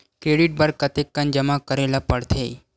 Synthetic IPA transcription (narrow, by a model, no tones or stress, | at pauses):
kɾeːɽiʈ̚bəɾkət̪ekːənd͡ʒəmakəɾelapəɽt̪ʰej